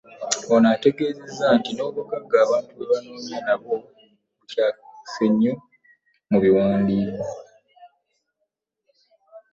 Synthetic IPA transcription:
onate̞ɡe̞ːze̞zːantino̞ːβokaɡaːβaːntuβeβanoːnanaβo̞ː | βucaːseɲːu | muβiwaːndiko

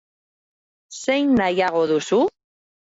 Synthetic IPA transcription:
se̞jnːajaɣ̞o̞ðusu

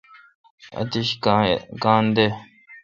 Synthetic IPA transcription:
a̰t̪iʃkakãnd̪e

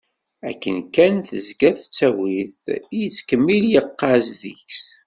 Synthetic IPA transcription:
æ̰kːənkːænθəzɡæθt͡sːæwiθjət͡sːkəmːiljəqːɑzðiçs

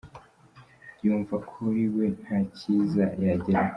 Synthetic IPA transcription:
juːɱvakʰuɾiwe̞n̥haciːzajaɟeɾa

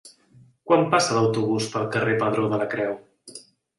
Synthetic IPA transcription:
kwampasələwt̪uβ̞uspəlˠkərepəðɾoðələkɾɛw

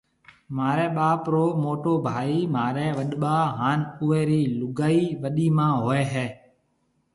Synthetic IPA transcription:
maːɾɛːɓaːpɾoːmoːʈoːbʱaːiːmaːɾɛːʋəɗɓaːɦaːnʊːeːɾiːlʊɡaːiːʋəɗiːmãːɦoːɛːɦɛː

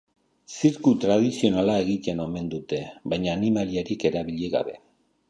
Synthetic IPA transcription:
siɾkut̪ɾað̞isio̞nalae̞ɣit̪e̞no̞me̞nd̪ut̪e̞βajɲaːnimaliaɾike̞ɾaβiʎeɣa̰βe̞

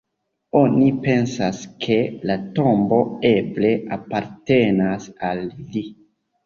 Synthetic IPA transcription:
o̞nipe̞nsaskʰe̞lato̞mbo̞e̞ble̞apaɾte̞nasalːi

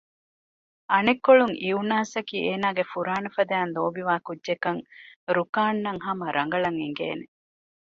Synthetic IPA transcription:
ɐnekːoɭuŋʔiunaːsɐkiːeːnaːɡefuɾaːnɐfɐd̪æːnd̪oːbiʋaːkudːʒekɐŋɾukaːnːɐŋhɐmɐɾɐŋɡɐɭɐŋeŋɡḛːne

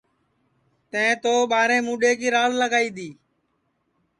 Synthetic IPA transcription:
t̪ə̃ẽːt̪oːɓaːɾẽːmũːɗeːkiːɾaːzləɡaːiːd̪iː

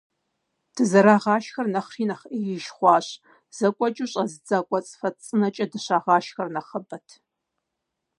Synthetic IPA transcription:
d̥ɨzɐɾaːʁɑːʃxɐrnɐχriːnɐχʔijɪʃχʷɑːɕ | z̥ɐkʷʼɔt͡ʃʼɨɕʼɐzɨd͡zakʷʼɔt͡sʼfɐt͡sʼɨnɐt͡ʃʼɐdɨɕaːʁɑːʃxɐrnɐχɐbɐtʰ

